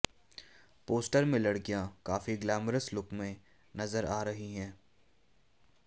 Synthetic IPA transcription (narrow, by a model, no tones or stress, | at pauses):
poːsʈəɾmẽlɐɽkijãkaːfiɡlaːmɾəslʊkmẽ | nɐzəɾaːɾɐɦiɦɛ̃ː